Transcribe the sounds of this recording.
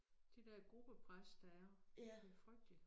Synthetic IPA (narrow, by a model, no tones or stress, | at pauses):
d̥ed̥ɛɐɡ̥ʁub̥əpʰʁasd̥ɑ̈æɐb̥efʁœɡ̥̚d̥ə